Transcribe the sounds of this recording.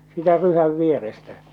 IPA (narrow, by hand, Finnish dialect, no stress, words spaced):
siːtæ ryhæʋ ʋierestæ